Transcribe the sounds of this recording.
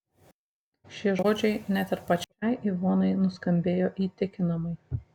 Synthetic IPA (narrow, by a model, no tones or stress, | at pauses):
ʃʲiʒoːd͡ʒʲɛɪnʲɛt̪ʲɪɾpɐt͡ʃʲɛɪiʋoːnɐɪnʊskɐmʲbʲeːjoːʔiːt̪ʲɪkʲɪnɐmɐɪ